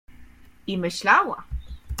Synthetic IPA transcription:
imeʃlawa̰ʔ

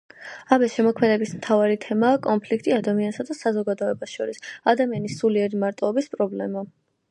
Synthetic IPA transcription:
abɛsʃɛmɔkʰmɛd̪ɛbismt̪ʰavaɾit̪ʰɛmaːkʼɔnpʰlikʰt̪ʼiad̪amiansad̪asazɔɡad̪ɔɛbasʃɔɾisad̪amianisuliɛɾimaɾt̪ʼɔɔbispʼɾɔblɛma

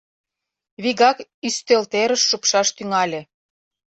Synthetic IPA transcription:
βiɣɑkyst̪ølt̪eɾəʃːupʃɑʃt̪yŋɑlʲĕ

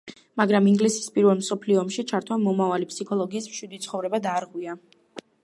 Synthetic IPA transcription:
maɡɾamiŋɡlisi̥spʼiɾvɛlˠmsɔpʰliɔːmʃit͡ʃʰaɾt̪ʰwamɔmavalipʰsikʰɔlˠɔɡiːsmʃwid̪it̪sʰχɔvɾɛbad̪aːɾʁwia

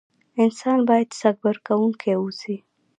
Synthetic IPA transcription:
ɪnsɑnbɑjad̪saɡ̚baɾkawuŋkʰeusi

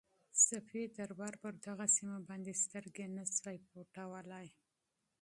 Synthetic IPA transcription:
safed̪aɾbɑɾpəɾd̪aɣasimabɑnd̪est̪əɾɡenazajpoʈawəlaj

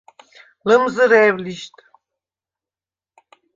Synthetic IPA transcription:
lɨmzɨɾɛːvliʃt̪ʰʼ

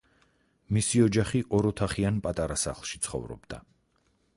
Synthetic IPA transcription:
misiɔd͡ʒaχiʔɔɾɔt̪ʰaχianpʼat̪ʼaɾasa̰χlˠʃit̪sʰχɔ̰vɾɔ̰bd̪a̰

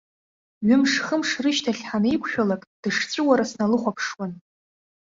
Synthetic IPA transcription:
ɥʏmʂχəmʂrɨʃtʰaɬʲħanijkʷʰʃᶣalakʼd̥ɨʂt͡sʷʼɨwaɾasnalɨχʷapʰʂwan

